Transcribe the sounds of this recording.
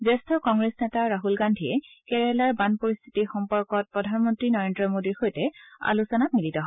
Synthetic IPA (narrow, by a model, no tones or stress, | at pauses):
zɛstʰɔkɔŋɡɹesnɛtaɹaɦulɡandʱiɛkɛɹɛlaɹbanpoɹist̪ʰi̥tixɔmpɔɹkɔt̚pɹɔdʱanmɔntɹinɔɹendɹɔmodiɹxojtɛa̰lusɔnat̚militɔɦ